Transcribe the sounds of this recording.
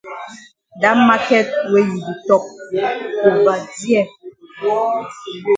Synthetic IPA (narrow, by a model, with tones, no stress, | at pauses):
da˦ma˦kɛ˦t̚we˦ji˨bu˨tɔ˦k̚ | o˨va˨di˦ɛ˦˨